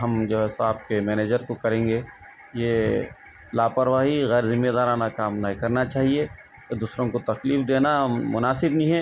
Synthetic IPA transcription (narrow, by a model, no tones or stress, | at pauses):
ɦɐmd͡ʒoːɦɛsaːb̚kemɛːneːd͡ʒəɾkokɐɾẽːŋɡe | je | laːpəɾʋaːɦiɣɛːɾzɪmːed̪aːɾaːnakaːmnaɦikɐɾnat͡ʃaːɦie | d̪uːsɾõkot̪ɐxliːfd̪eːnamʊnaːsɪbnĩɦɛː